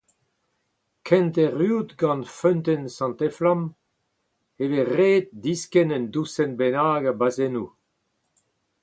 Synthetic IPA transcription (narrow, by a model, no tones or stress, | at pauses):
kʰɛ̃nt̪eʁyːd̪ɡɑ̃nfœnt̪ɛnsɑ̃nt̪ɛflãm | eveʁeːt̪̚diskɛnənd̪usɛnbenaːɡabazenu